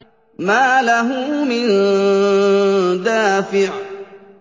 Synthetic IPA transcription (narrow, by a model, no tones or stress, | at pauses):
maːlaɦʊmɪn | d̪aːfɪʕ